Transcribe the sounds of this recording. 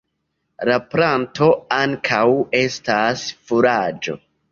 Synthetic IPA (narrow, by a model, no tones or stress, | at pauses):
lapɾanto̞aŋkʰawe̞stasfuɾad͡ʒo̞̰